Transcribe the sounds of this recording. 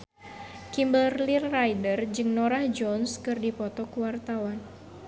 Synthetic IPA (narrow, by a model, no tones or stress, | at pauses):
kimbəlrlirːajdərd͡ʒɨŋnoɾahd͡ʒɔnskɨrdipɔt̪ɔkuwart̪awan